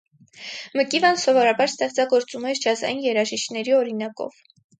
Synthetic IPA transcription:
məkivɑnsɔvɔɾɑbɑɾst̪ɛʁt͡sɑɡɔɾt͡sumɛɾt͡ʃʰɑzɑ̰jinjɛɾɑʒiʃknɛɾiɔɾinɑkɔ̰v̥

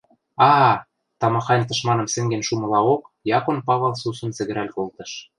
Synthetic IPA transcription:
ɑ | t̪ɑmɑxɑnʲt̪ɤ̆ʃmɑnɤ̆msĕŋɡenʃumɤ̆lɑokjɑkonpɑβɤ̆lsusɤ̆nt͡sɘ̆ɣɘ̆ɾælʲkolt̪ɤ̆ʃ

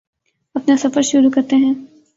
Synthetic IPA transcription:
ɐpnesɐfəɾʃʊɾukɐɾt̪eɦɛ̃ː

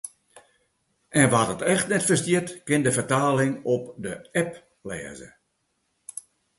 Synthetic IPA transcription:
ʔɛnʋadɔtɛxtnɛtfərstjɪtkɪndəfərtaːlɪŋɔpdəɛp | lɛ̰ːzə̰

